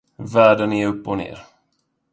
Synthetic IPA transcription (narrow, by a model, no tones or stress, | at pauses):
væːɖənɛɵpːɔnḛːɾ